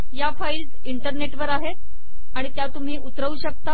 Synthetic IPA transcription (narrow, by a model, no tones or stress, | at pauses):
jafails | iɳʈəɾneʈʋəɾaɦe | aɽ̃it̪jat̪um̤iːʔut̪ɾəuːɕək̚t̪a